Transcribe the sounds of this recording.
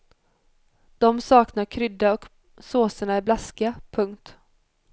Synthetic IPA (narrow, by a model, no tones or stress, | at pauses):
d̪̥ɔmsɑːknaɾkʰɾʏd̪ːaɔk | soːsəɳaɪblaskapʰɵŋk̚t̪